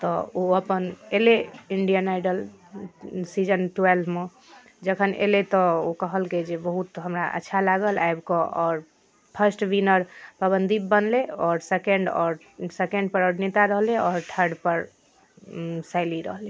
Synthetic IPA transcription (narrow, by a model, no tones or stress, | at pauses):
t̪ɔoəpəneleiɳɖijənajɖəl | sid͡ʒənʈuwelbʱme | d͡ʒəkʰənḛlet̪ɔokəɦəlked͡ʒebəɦut̪ɦəmɾaʔə̰tːʃʰalaɡəla̰jbkɔʔɔːɾ | pʰəsʈwinəɾpəbənd̪ʱibənleɔɾsekeɳɖɔɾ | sekeɳɖpəɾəɾnit̪aɾəɦleɔɾt̪ʰəɾɖpəɾ | saɪliɾə̰ɦle